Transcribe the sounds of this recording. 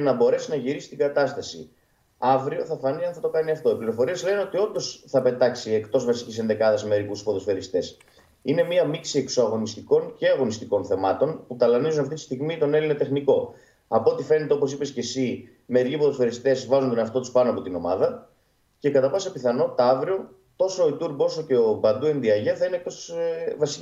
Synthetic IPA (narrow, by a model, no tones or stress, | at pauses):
nɐbo̞ɾe̞sinɐʝiɾisi̥t̪iŋɡɐt̪ɐst̪ɐsḭ | ɐvɾio̞θɐfɐniɐnθɐt̪o̞kɐniɐft̪o̞ipliɾo̞fo̞ɾiezleneo̞t̪io̞nd̪o̞sθɐpe̞t̪ɐksie̞kt̪o̞zvɐsi̥cisenðe̞kɐðɐsme̞ɾikuspoðo̞sfe̞ɾist̪e̞s | ine̞miɐmiksie̞ksoɐɣo̞nist̪iko̞nce̞ɐɣo̞nist̪iko̞nθe̞mɐt̪o̞nput̪ɐlɐnizunɐft̪it̪ist̪iɣmit̪o̞ne̞linet̪exniko̞ | ɐpot̪ife̞ne̞t̪eo̞po̞s̬ipe̞sce̞si | me̞ɾicipoðofe̞ɾist̪e̞zvɐzunt̪onɐft̪o̞t̪uspɐnoɐpo̞t̪ino̞mɐðɐ | ce̞kɐt̪ɐpɐsɐpiθɐno̞t̪ɐɐvɾio̞ | t̪o̞sooit̪uɾbo̞so̞ce̞obɐnd̪ue̞nd̪iɐʝeθɐinek̚t̪o̞svɐsi̥ci